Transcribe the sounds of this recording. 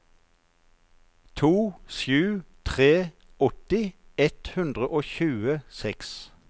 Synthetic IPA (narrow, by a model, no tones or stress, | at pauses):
t̪ʰuːʃjʉːt̪ʰʁeː | ɔt̪ɪɛt̪hʉnd̪ʁəʔoːçʉːəsɛks